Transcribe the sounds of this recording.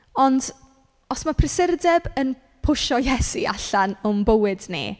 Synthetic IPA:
ɔnd | ɔsmapʰrɪsɪrdɛbən | pʰʊʃɔjɛsiʔa̰ɬanʊmbəwɨdnḭ

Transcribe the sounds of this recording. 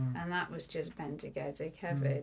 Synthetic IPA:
ʔə̃nðəʔwʌzd͡ʒʌsb̥ɛ̃ntʰɨɡɛɾɨkʰɛvɪ

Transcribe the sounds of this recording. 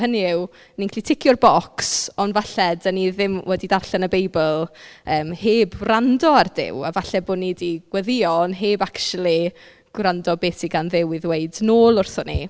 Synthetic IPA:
həniɪw | niŋkʰlitʰɪkʰjʊrbɔksɔnvaɬɛdəniðɪmwʔɛdidarɬɛnəbejbəlˠəːmheːbrandɔardɪ̰wa̰vaɬɛboːnidiɡ̥wɛðɪɔnɦeːbakʃulˠi | ɡ̥randɔbeːsiɡanðɪwɪðweɨdnoːlˠʊrθɔnḭ

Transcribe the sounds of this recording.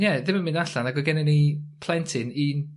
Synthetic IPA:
jɛðɪməmɪ̃ndaɬanaɡəɡɛnɛnipʰlˠɛntʰɪniːn

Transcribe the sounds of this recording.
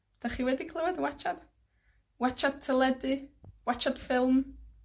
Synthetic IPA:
d̥aχiwɛdikʰlˠəwɛdwat͡ʃad̥ | wat͡ʃad̥̚tʰɛlˠɛdɨwat͡ʃad̥fɪlˠm

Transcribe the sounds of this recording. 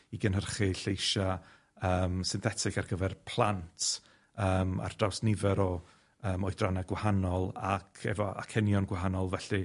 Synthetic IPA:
iɡənhərχɨɬejʃa | əːmsɪnθɛtʰɪkarɡəvɛrpʰlˠantʰ | əːma̰rd̥awsnɪvɛɾɔ | əːmɔjdranaɡwahanɔlˠakʰɛ̰vɔʔa̰kʰɛnjɔnɡwaɦanɔlˠvɛɬɨ

